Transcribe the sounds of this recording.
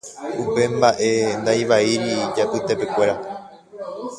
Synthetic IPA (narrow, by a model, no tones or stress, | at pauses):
upe̞mbaʔe̞nd̪ajʋaiɾid͡ʒapɨt̪e̞pe̞kʷe̞ɾa